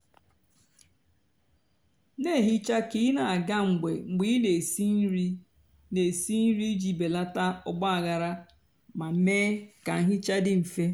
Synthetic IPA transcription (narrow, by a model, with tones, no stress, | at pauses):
ne˦˨ɦi˦t͡ʃa˦ki˦na˨a˨ɡa˦ŋ͡m̩˨ɡ͡bḛ˨ŋ͡m̩˨ɡ͡bi˦ne˨si˦n˦ɾi˦ | ne˨si˦n̩˦ɾi˦d͡ʒi˨be˨la˦ta˦ʊ˦˨ɡ͡ba˦a˨ɣa˨ɾa˦ | ma˨meː˦ka˨ŋ̩˦ɦi˦t͡ʃa˦dɪ˦m̩˨fe˦